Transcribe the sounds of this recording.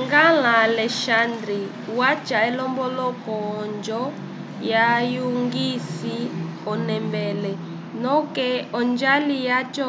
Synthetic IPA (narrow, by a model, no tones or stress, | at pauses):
ŋɡalalɛʃand̪ɾi | wat͡ʃaɛlɔmbɔlɔkɔːnd͡ʒɔ | jajuŋɡisi | ɔnɛmbɛlɛ | nɔkɛɔnd͡ʒalijat͡ʃɔ